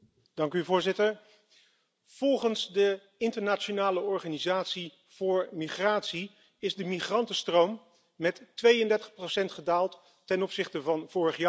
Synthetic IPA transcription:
d̥ɑŋkyvʊːɹzɪtəɹ | v̥ɔlˠχənzdə | ɪntəɹnat͡ʃonaːləɔɹχaːnizaːtsi | v̥ʊːɹmiχraːtsi | ɪzdəmiχrɑntəstrowmː | ɛtːʋejəndɛɹtəχprowsɛntχədaːlˠtː | ɛnɔpsɪχtəvɑnv̥ʊːrəχjaː

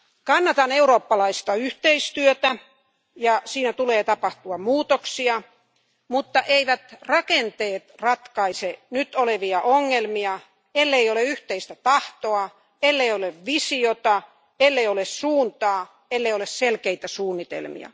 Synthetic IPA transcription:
kɑnːɑt̪ɑneuroːpːɑlɑist̪ɑyht̪eist̪yøt̪æ | jɑsiːnæt̪uleːt̪ɑpɑht̪uɑmmuːt̪oksiɑ | mut̪ːɑʔeiʋæt̪rɑkent̪eːt̪rɑt̪kɑisenyt̪oleʋiɑʔoŋːelmiɑ | elːeioleyht̪eist̪æt̪ɑht̪oɑ | elːeioleʋʋisiot̪ɑ | elːeiolessuːnt̪ɑː | elːeiolesselkeit̪æsuːnːit̪ḛlmḭɑ̰

